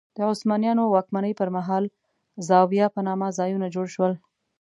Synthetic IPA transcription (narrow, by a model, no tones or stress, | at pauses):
d̪̥əʊsmɑnijɑnowɑkmanəjpəɾmaɦɑl | zɑwijɑpənɑmazɑjunad͡ʒoɽʃwəl